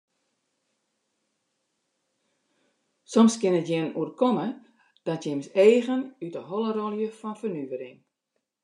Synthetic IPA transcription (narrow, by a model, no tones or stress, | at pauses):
sɔmskɪnətjɪnuərkomə | d̥ɔtjɪmseːɣənytəɦolˠərɔlˠjəfɔnfərnyvəɾɪŋ